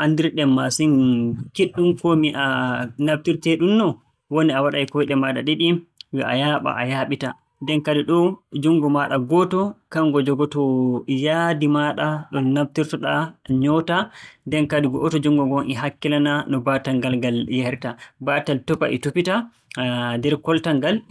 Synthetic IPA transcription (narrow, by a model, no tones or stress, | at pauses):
ʔandiɾɗɛmːasinkiɗːumkɔmiʔanabtiɾtɛɗumnɔ | woniawaɗajkɔjɗɛmaɗa̰ɗiɗiwɛʔa̰jaːɓa̰ʔajaɓita | ndɛnkadiɗɔd͡ʒuŋɡɔmaɗaɡɔtɔkaŋɡɔd͡ʒɔɡɔtɔjadimaɗaɗɔnaf̚tiɾtɔɗaɲɔtadɛnkadiɡɔʔɔtɔd͡ʒuŋɡɔɡɔŋʔiɦakːilananɔbataŋɡalɡaljɛhɾtabataltɔpa̰ʔḭtupita | dɛɾkɔltaŋɡal